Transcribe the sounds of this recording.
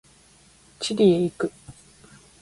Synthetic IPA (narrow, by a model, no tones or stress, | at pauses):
t͡ɕiɾʲieikɯ̟